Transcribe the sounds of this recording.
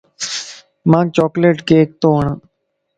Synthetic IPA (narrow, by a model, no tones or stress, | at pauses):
mãːɡ̚t͡ʃɔːkleːʈkeːk̚t̪oːɦəɳãː